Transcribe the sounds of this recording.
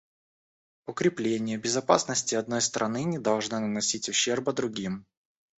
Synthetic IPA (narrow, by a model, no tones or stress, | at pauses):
ʊkɾʲɪplʲenʲɪjəbʲɪzɐpa̰snəsʲtʲɪɐd̪̚no̞jst̪ɾʔɐnɨnʲɪd̪ɐlˠʐnɨnənɐsʲitʲʊɕːe̞rpɐd̪ɾʊɡʲim